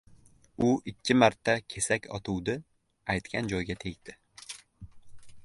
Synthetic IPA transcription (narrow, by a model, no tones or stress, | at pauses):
ʊʔɪkʲʰːɪmaɾt̪ʰːakʲʰe̞sakʲʰɒ̰t̪ʰuwd̪ɪ | ajt̪kʲʰand͡ʒɒjɡʲat̪ʰe̞kʲd̪̥ɪ